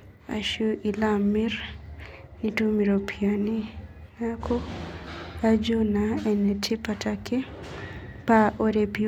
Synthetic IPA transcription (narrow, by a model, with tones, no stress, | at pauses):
a̰˨ʃu˦ʔi˨la˦mi˦r | ni˨tu˦mi˨ɾo˨pʰia˨ni˦na˦kʰo˦ | a˦d͡ʒo˦na˨ɛ˨nɛ˨tʰe˦pa˨ta˨kʰe˦ | pa˦ʔo˦ɾe˨pi